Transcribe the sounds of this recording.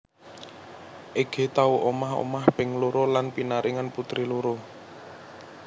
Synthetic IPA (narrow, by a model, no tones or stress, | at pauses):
ʔeɡ̥e̤t̪auʔomaho̰mahb̥ɪŋloɾolanpinaɾiŋanput̪ɾiloɾo